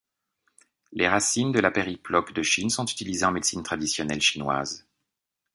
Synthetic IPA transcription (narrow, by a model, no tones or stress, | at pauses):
leʁasind̪əlapeʁiplɔkd̪əʃinsɔ̃t̪y̥t̪ilizeɑ̃med̪sint̪χad̪isjɔnɛlʃinwa̰z